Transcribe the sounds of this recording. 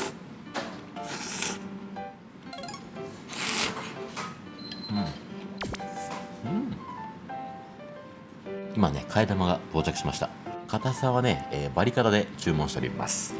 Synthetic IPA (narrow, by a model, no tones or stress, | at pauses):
ɯ̃ | ɯ̃ | imane̞kʰaed̪amaɡabo̞ːt͡ɕakɯ̟ɕimaɕi̥t̪akat̪asãβane̞eːbaɾʲikat̪ad̪e̞t͡ɕɨːmõɕit̪eɾḭma̰sɨ̥